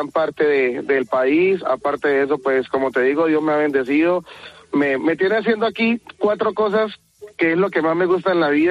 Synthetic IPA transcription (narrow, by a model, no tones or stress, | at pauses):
mpaɾt̪e̞ðed̪e̞lpaisa̰paɾt̪eðees̬o̞pwe̞sko̞mo̞t̪e̞ðiɣoðjo̞zmeaβe̞nd̪e̞siðo̞meme̞t̪jeneas̬je̞nd̪oakikwat̪ɾo̞ko̞s̬as | keezlo̞ke̞mazme̞ɣus̬t̪aenlaβið